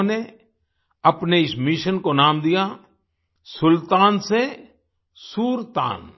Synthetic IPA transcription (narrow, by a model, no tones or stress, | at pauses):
ne | ɐpneɪsmɪʃənkonaːmd̪ija | sʊlt̪aːnse | suːɾt̪a̰ːn